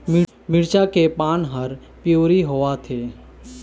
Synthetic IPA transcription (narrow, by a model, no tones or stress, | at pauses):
mɪ | mɪɽt͡ʃakepaːnɦəɾ | pjoːɾiɦoʋat̪ʰeː